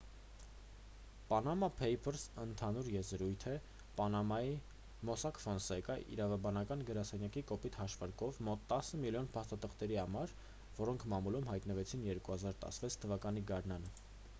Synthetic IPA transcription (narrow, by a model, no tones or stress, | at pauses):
pɑnɑmɑpʰɛjpʰəɾsənt̪ʰɑnuɾjɛzəɾujt̪ʰɛ | pɑnɑmɑi | mɔsɑkfɔnsɛkəʔḭɾɑvɑbɑnɑkɑnɡəɾɑsɛnjɑkikɔpit̪hɑʃvɑɾkɔvmɔt̪ːɑsəmiljɔnpʰɑst̪ɑt̪ʰəχt̪ɛɾihɑmɑɾ | vɔɾɔŋkʰmɑmulumhɑjt̪nəvɛt͡sʰinjɛɾkuhɑzɑɾt̪ɑ̰səvɛt͡sʰt̪ʰəvɑkɑniɡɑɾnɑnə